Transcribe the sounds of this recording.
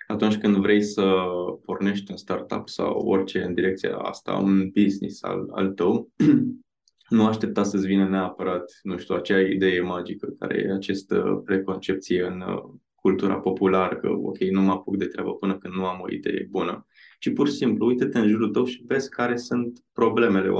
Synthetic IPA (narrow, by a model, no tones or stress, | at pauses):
at̪unʲt͡ʃʲkɨnd̪vɾʔejsəporne̞ʃt̪ʲunst̪art̪a̰psa̰wo̞̰rʲt͡ʃe̞ɨnd̪iɾe̞k̚t̪sija̰a̰st̪a̰ṵnbiznḭsa̰la̰lt̪əw | nuaʃt̪e̞p̚t̪asəsʲvinəneapəɾat̪nuʃt̪uat͡ʃeaid̪e̞je̞mad͡ʒikəka̰ɾḛjḛat͡ʃest̪ə̰pɾe̞ko̞nt͡ʃe̞p̚t̪sije̞ɨn | kult̪uɾa̰po̞pulaɾəkə̰o̞̰kʲe̞jnumapukd̪e̞t̪ɾʲeabəpɨnəkɨnd̪nuamo̞̰ḭd̪e̞̰je̞̰bunə | t͡ʃipursimpluujt̪ət̪eɨnʒuɾut̪əwʃive̞zkaɾe̞sunt̪pɾo̞ble̞me̞le̞